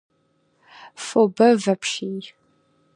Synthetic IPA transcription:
fobɐvɐpʃij

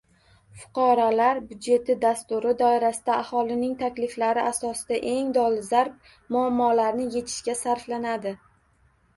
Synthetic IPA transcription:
fʊ̥qʰɑɾɒlaɾbʊd̪d͡ʒe̞t̪ɪd̪ast̪ʊɾɪd̪ɒɪɾasɪd̪̥aʔːhɒlˠɪnɪŋt̪ʰakʲlɪflaɾɪʔasɒsɪd̪̥aʔe̞ŋd̪ɒlˠɪzaɾp̚ | mʊamːɒlaɾnɪje̞t̪ʰɪ̥ʃkʲasaɾflanad̪ɪ

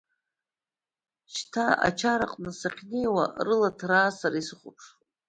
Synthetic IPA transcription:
ʃtʰaa̰t͡ʃʰaɾa̰qʼnɨsaχʲne̞jwa̰rɨlatʰraːsaɾisɨχʷʊpʰʂ

